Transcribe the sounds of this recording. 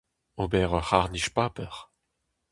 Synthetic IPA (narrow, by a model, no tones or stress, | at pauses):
obɛʁɔhaʁniʃpaːpɛʁ